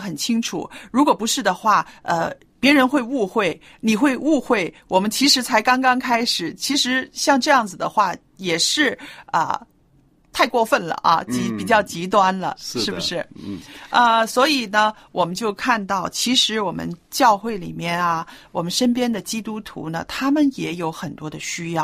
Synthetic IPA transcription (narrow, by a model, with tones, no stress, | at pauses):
xə˨˩nt͡ɕʰi˥ŋʈ͡ʂʰṵ˨˩˦ɻu˧˥kwɔ˨˩pu˧˥ʂɻ̩˥˩d̪ə˩xwa˥˩ə̰˧ | pjɛ˧˥ɻə˧˥nxwe˥˧ɪu˥˧xwe˥˩ɪ | ni˨˩xwe˥˧ɪʔu˥˧xwe˥˩ɪwɔ˨˩mə˦nt͡ɕʰi˧˥ʂɻ̩˧˥t͡sʰa˧˥ɪkɑ˥ŋkɑ˥ŋkʰa˥ɪʂɻ̩˨˩t͡ɕʰi˧˥ʂɻ̩˧˥ɕjɑ˥˧ŋʈ͡ʂɤ˥˧jɑ˥˩ŋd͡zɹ̩˨˩d̪ə˨xwa˥˩ | jɛ˨˩ʂɻ̩˥˩˧ə̰˧ | t̪ʰa˥˧ɪkwɔ˥˧fə˥˩nlə̰˩ʔɐ̰˧t͡ɕi˧˥pi˨˩t͡ɕjɑ˥˩ʊt͡ɕi˧˥t̪wa˥nlə̰˨ʂɻ̩˥˩bu˩ʂɻ̩˥˩ | ə˧swɔ˧˥i˨˩nə˦ | wɔ˨˩mə˦nt͡ɕjo˥˧ʊkʰa˥˧nt̪ɑ˥˩ʊt͡ɕʰi˧˥ʂɻ̩˧˥wɔ˨˩mə̰˦nt͡ɕjɑ˥˧ʊxwe˥˩ɪlḭ˨˩mjɛ˥˩nɐ˩wɔ˨˩mə˦nʂə˥npjɛ˥nd̪ə˨t͡ɕi˥t̪u˥t̪ʰṵ˧˥nə˨t̪ʰa˥mə˨njɛ˧˥jo˧˥ʊxə˨˩nt̪wɔ˥d̪ə˨ɕy˥jɑ˥˩ʊ